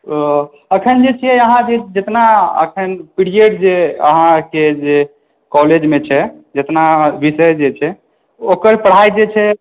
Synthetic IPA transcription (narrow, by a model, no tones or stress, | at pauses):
əkʰənd͡ʒet͡ʃʰiɛəɦãd͡ʒed͡ʒet̪naə̰kʰənpiɽiəɖd͡ʒeə̰ɦãked͡ʒe | kɔled͡ʒmet͡ʃʰɛ | d͡ʒet̪nabisəjd͡ʒet͡ʃʰɛ | okəɾpəɽ̤ajd͡ʒet͡ʃʰɛ